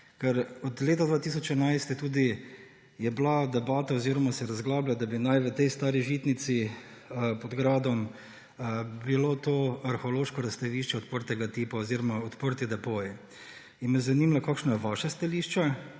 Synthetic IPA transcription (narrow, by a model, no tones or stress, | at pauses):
kɛɾɔd̪leːt̪ad̪ʋaːt̪is̬ɔt͡ʃɛnajst̪jɛt̪uːd̪i | jɛblad̪ɛbaːt̪aoziːɾɔmasɛɾazɡlaːblʲjad̪abinajʋət̪ɛjst̪aːɾiʒit̪nit̪si | pɔd̪ɡɾaːd̪ɔm | bilot̪oaɾxoloːʃkɔɾɐst̪ɐʋiːʃt͡ʃɛot̪pəɾt̪ɛɡat̪iːpaoziɾɔmaɔt̪pəɾt̪id̪ɛpoːji | inmɛzɐnimlakaːkʃnajɛʋaʃast̪aliʃt͡ʃa